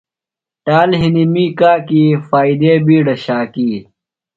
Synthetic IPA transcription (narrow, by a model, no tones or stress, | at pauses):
ʈaːlɦinimiːkaːkiːfaːid̪eːbiːɖɐɕaːkiː